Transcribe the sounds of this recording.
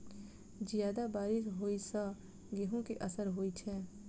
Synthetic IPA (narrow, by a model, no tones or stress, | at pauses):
d͡ʒijaːd̪abaːɾɪʃɦoːisə | ɡeɦõkeʔəsəɾɦoːit͡ʃʰɛː